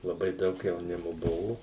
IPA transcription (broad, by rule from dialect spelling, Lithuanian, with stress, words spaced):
lˠɐˈbɐɪ ˈdɐʊk jɛʊˈnʲɪmoː ˈbʊʋʊ